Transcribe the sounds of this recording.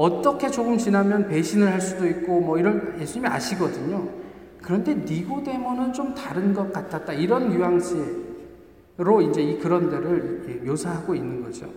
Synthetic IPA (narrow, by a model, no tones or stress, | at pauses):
ʌt͈ʌkʰe̞t͡ɕoɯmt͡ɕinamjʌnpe̞ɕʰinɯɭhaɭs͈udoik̚k͈omʌiɾʌnje̞sʰuɲimia̰ɕʰiɡʌdɯɲo | kɯɾʌnde̞niɡode̞munɯnt͡ɕomtaɾɯnɡʌk̚k͈at̚tʰat̚t͈aiɾʌnjujaŋɕʰi | ɾoind͡ʑe̞ikɯɾʌndeɾɯɾiɾʌkʰe̞josʰaɦaɡoinːɯnɡʌ̰d͡ʑo̰